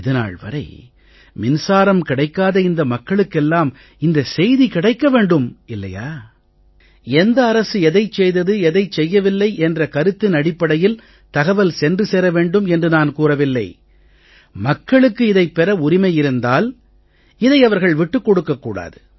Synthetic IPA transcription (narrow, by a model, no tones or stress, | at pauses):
ɪðɐna̰ːɭʋɐ̰ɾɐɪ | mɪnsaːɾɐmkɪɽɐɪkːaːðɐɪnd̪ɐmɐkːɐɭɯkːɛlːaːm | ɪnd̪ɐsɛjðikɪɽɐɪkːɐʋeːɳɖɯmɪlːɐ̰ja̰ː | ɛnd̪ɐːɾɐsɯɛðɐɪt͡ʃːɛjðɐðɯɛðɐɪt͡ʃːɛjːɐʋɪlːɐɪʔɛndrɐkɐɾɯt̪ːɪnɐɽɪpːɐɽɐjɪl | t̪ɐɣɐʋɐlsɛndrɯsɛːɾɐʋeːɳɖɯmɛndrɯnaːnkuːrɐʋɪlːɐɪ | mɐkːɐɭɯkːɯɪðɐɪpːɛɾɐʊɾɪmɐɪjɪɾɯnd̪aːl | ɪðɐɪɐʋɐɾɣɐɭʋɪʈːɯkːɔɽɯkːɐkːuːɽa̰ːðɯ